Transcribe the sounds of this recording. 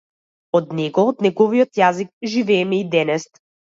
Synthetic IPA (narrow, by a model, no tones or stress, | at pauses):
ɔd̪nɛɡɔɔt̪nɛɡɔviɔt̪jazik̚ʒivɛːmɛid̪ɛnɛst̪